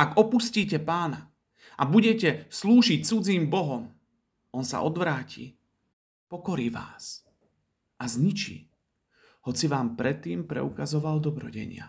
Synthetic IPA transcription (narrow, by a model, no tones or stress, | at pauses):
aɡɔpusciːcɛpaːna | ʔabuɟɛcɛsluːʒic̚t͡sud͡ziːmbɔɦɔm | ɔnsa̰ʔɔd̪ʋɾaːcḭ | pɔkɔɾiːʋa̰ːs | azɲit͡ʃḭː | hɔt͡siʋaːmpɾɛt̪ːiːmpɾɛ̰ukazɔʋald̪ɔbɾɔ̰ɟɛ̰ɲɪa̰